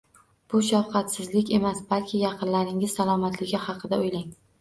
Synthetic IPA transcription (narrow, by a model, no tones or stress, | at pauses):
b̥ʊʃafqʰɑt̪sɪzlɪkʲe̞masb̥alkʲʰɪjɑqʰɨnlaɾɪŋɪzsalˠɒmat̪ʰlɪɡʲɪhɑqʰɨd̪aojlaŋ